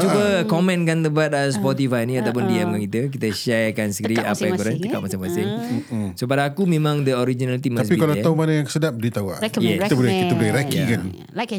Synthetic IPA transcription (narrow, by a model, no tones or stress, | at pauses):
t͡ʃubəkɔmɛ̃nkant̪əmpat̪as̬pɔt̪̬ifajnĩat̪awp̬ʊndiɛməkit̪ək̬it̪əʃɛrkansəkəɾia̰pajaŋkɔɾant̪əkaʔmasɪŋmasɪŋsop̬adaːkumẽmãŋdəoɾid͡ʒinalit̪̬imasiikalaaumanajaŋksədap̚dit̪aua̰ʔjɛkit̪bəlɛkikt̪əbəlɛɾakikan